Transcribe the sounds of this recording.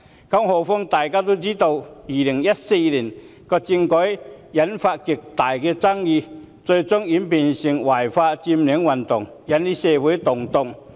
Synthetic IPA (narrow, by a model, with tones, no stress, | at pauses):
kɔ˧˥ŋhɔ˨˩fʊ˥ŋt̪aː˨˩jkaː˥t̪o˥t͡ɕiː˦˥t̪o˧wi˨˩li˨˩ŋjɐ˦˥t̚se˧li˨˩n | kɔ˧t͡ɕi˧ŋkɔ˨˥jja˨˦˥nfa˧t̚ki˨˩k̚t̪a˨˩jkɛ˧t͡sa˥ŋjiː˧ | t͡so˧t͡sʊ˥ŋi˨˥mpi˨˩nɕi˨˩ŋwa˨˩jfaː˧t͡ɕi˧mli˨˦ŋwɐ˨˩nt̪ʊ˨˩ŋ | ja˨˦nli˦˥sɛ˧˩wu˨˦jt̪ʊ˨˩ŋt̪ʊ˧˨ŋ